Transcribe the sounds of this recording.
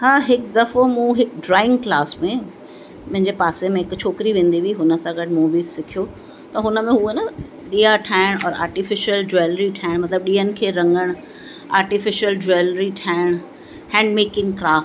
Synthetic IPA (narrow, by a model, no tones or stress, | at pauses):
haːɦɪkd̪ɐfomũɦɪkɖɾaːɪ̃ŋɡklaːsmẽ | mɐ̃ɦɪ̃ɲd͡ʑepaːsemẽɦɪkt͡ɕʰoːkɾiʋẽːnd̪iʋiɦʊnə̆sãɡɐɖmoːbiːzsɪkʰijo | t̪ɐɦʊnəmẽuenɐ | ɗiːaʈʰaːɪɽ̃ɔːɾa̰ːɾʈɪfɪʃijəld͡ʑeːlɾiʈʰaːɪɽ̃mɐt̪ləb̚ɗiːənɪ̆kʰeːɾɐ̃ŋɡəɽ̃ | a̰ːɾʈɪfɪʃijəld͡ʑolɾiʈʰaːɪəɽ̃ | hɛ̃ːɳɖmeːkɪ̃ŋɡkɾaːfʈ